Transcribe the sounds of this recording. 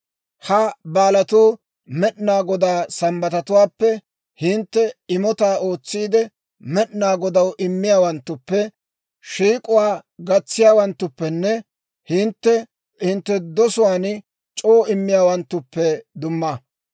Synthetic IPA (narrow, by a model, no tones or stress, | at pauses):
hɐbaːlɐt̪uː | mɛɗnaːɡɔd̪aːsɐmbɐt̪ɐt̪ʊwaːpːɛ | hɪnt̪ːɛɪmɔt̪aːʔo̞ːt͡sːiːd̪ɛ | mɛɗnaːɡɔd̪ɐwʔɪmːɪjaːwɐnt̪ːʊpːɛ | ʃiːkʼʊwaːɡɐt͡sːɪjaːwɐnt̪ːʊpːɛnːɛ | hɪnt̪ːɛ | hɪnt̪ːɛd̪ɔsʊwaːn | t͡ʃʼoːɪmːɪjaːwɐnt̪ːʊpːɛd̪ʊmːɐ